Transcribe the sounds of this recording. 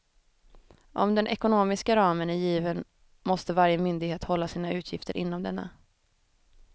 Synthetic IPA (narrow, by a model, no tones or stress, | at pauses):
ʔɔ̰md̪ɛnʔɛkʊnoːmɪskaɾɑːmənæɾjiːvən | mɔst̪əvaɾjəmʏnd̪ɪɡheːt̪hɔlːasiːnaʉ̟ːt̪ʰjɪft̪əɾʔɪnːɔmd̪ɛnːa̰